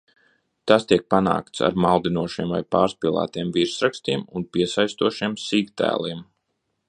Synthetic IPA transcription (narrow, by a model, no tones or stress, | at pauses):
t̪ast̪iɛk̚pana̰ːkt̪sa̰ɾmalˠd̪inuɔʃiɛmvajpa̰ːɾspiːlˠa̰ːt̪iɛmviɾsɾakst̪iɛmunpiɛsajst̪uɔʃiɛmsiːkt̪æ̰ːlˠiɛm